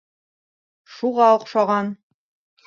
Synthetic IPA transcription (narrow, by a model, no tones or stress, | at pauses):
ʃuʁɑŏqʃɑʁɑn